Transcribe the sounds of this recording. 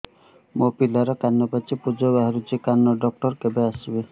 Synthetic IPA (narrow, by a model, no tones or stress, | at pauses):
mopilaɾɔkanːɔpat͡ʃipud͡ʒɔbaɦaɾut͡ʃikanːɔɖɔk̚ʈɔɾkebeasibe